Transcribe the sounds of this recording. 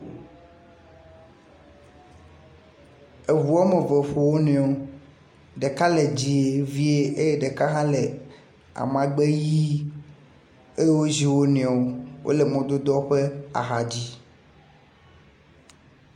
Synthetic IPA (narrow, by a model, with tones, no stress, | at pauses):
e˨vu˨a˦me˨ve˨ɸo˨wo˦nẽ˨o˦ | ɖe˨ka˦le˨d͡ʑi˦e˦vi˦e˦e˦je˦ɖe˨ka˦ɦã˦le˨ | a̰˨mã˨ɡ͡be˦ji˦ | e˦je˦wo˦zi˦wo˦nẽ˨o˦wʔo̰˦le˨mẽ˨d̪o˦d̪ɔ˦ɸe˦a̰˨ɦa˨d͡ʑi˦